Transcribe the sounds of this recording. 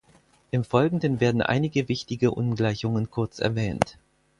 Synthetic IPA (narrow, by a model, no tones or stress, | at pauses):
ʔɪmfɔlɡŋ̩dənveːɐdn̩ʔa̰ɪnɪɡəvɪçtɪɡəʔʊnɡlaɪçʊŋənkʰʊɐt͡sʔɛ̰ɐvɛːnt